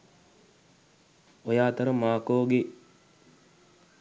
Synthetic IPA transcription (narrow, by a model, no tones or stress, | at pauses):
ojaːt̪əɾəmaːkoːɡe